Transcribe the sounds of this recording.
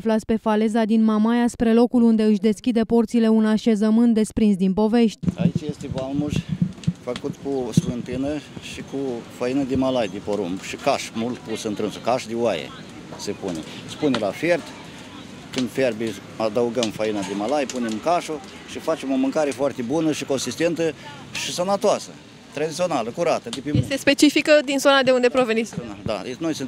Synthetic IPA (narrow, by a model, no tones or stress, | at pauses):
flat̪sʲpe̞fale̞zad̪inmamajaspɾe̞lo̞kulund̪e̞ɨʃʲd̪e̞skʲid̪e̞po̞rt̪sile̞unaʃe̞zəmɨnt̪d̪e̞spɾins̬d̪inpo̞ve̞ʃt̪ʲa̰it͡ʃjest̪evalmuʒʲfəkut̪kusvɨnt̪ɨnəʃikufəinəd̪emalajd̪epoɾumbʃikaʃmult̪̚pusɨnt̪ɾɨnsukaʃd̪ewajḛ | sepunḛspunelafe̞rt̪ | kɨnd̪ferbi | ad̪əuɡəmfainad̪emalajpunemkaʃu | ʃifat͡ʃemo̞mɨŋkaɾefoart̪ebunəʃiko̞nsist̪e̞nt̪ə | ʃisanat̪oasə̰ | t̪ɾad̪it̪sio̞naləkuɾat̪əd̪epijest̪espe̞t͡ʃifikəd̪inzonad̪e̞und̪epɾoveninad̪a̰nojsɨn